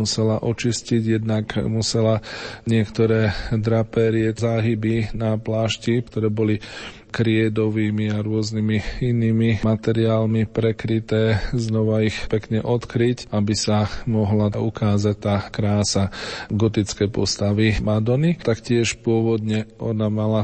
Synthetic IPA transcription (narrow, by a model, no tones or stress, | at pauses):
musɛlaʔɔt͡ʃisciɟjɛd̪nakmusɛlaɲɪɛkt̪ɔɾɛːd̪ɾapɛːɾiɛzaːɦibinaplaːʃcikt̪ɔɾɛːbɔli | kɾɪɛd̪ɔʋiːmiaɾʊɔznimiiniːmimat̪ɛɾiaːlmipɾɛkɾit̪ɛːznɔʋaixpɛkɲɛʔɔt̪kɾicabisamɔɦlaukaːzac̚t̪aːkɾaːsaɡɔt̪it͡skɛjpɔ̰st̪aʋimad̪ɔnit̪akcɪɛʃpʊɔʋɔd̪ɲɛɔnamala